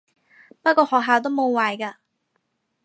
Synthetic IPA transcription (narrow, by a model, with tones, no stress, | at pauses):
pɐ˥t̚kːɔː˧hɔː˨k̚ɦaː˨wt̪̬o˥wmo˨˧wwaː˨jka˧